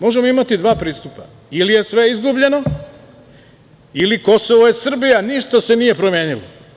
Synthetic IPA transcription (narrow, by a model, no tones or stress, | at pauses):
mo̞ʒe̞moimat̪id̪ʋaːpɾiːst̪upa̰ | ilije̞sʋe̞izɡubʎe̞no̞ | iliko̞soʋojesr̩bijaniʃt̪ase̞nije̞pɾomjeːnilo̰